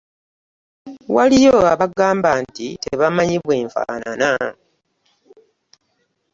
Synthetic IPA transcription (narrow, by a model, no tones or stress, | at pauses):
walijoaβaɡaːmbantiteβamaɲiβwe̞ːɱfa̰ːna̰na